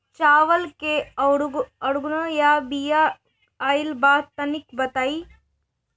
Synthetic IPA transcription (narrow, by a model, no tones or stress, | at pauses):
t͡ʃaːʋɐlke | ɐɽuɡnojaːbijaː | jilbaːt̪ɐnikbɐt̪aːi